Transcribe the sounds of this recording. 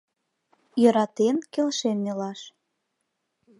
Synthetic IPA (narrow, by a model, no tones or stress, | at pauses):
jɤ̆ɾɑt̪enkelʃenːelɑʃ